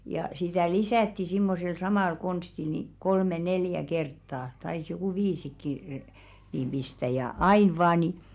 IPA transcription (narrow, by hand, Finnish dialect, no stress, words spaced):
jɑ sitæˑ lisæˑtːi simːosel sɑmɑˑl konstil ni kolme neljæ kertːɑː tɑis jokuˑ ʋiːsikːi niːm b̥istæ jɑ ɑin ʋɑː ni